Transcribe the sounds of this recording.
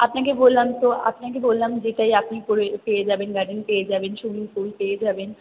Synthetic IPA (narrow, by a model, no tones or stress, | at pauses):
apnakebolːamt̪oʔa̰pnakebollamd͡ʑeʈajapnipoɾepejed͡ʑabenɡaɖinpeed͡ʑabenʃumiŋkulpeed͡ʑaben